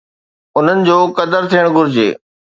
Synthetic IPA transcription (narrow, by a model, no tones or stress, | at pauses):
ʊn̤ənɪ̆d͡ʑoːkɐd̪əɾt̪ʰijəɽ̃ɡʱʊɾɪd͡ʑḛː